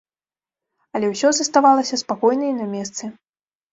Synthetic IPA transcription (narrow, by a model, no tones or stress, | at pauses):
ɐlʲɛwsʲɔzɐst̪avalˠɐsʲɐspakɔjnɐjinamʲɛst̪sɨ